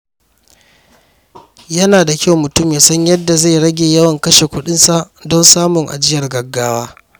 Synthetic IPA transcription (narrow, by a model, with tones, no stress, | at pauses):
jɐ˦naː˨da˨kʲa˦wmʊ˨tʊ˦mjaː˨sɐ˦ɲjɐ˦dːa˨za˦˨jɽɐ˦ɡʲeː˨jɐ˦wɐ˨ŋkɐ˦ʃe˨kʷʊ˦ɗɪ˦nsa˨ʔdɔ˦nsaː˦mʊ˨ŋʔa̰˨d͡ʒɪ˦jɐ˨rɡɐ˨ɡːaː˦waː˦